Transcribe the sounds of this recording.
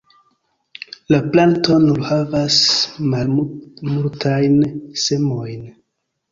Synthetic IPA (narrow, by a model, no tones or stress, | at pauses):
laplanto̞nulhavasmalmultʰajnse̞mo̞jn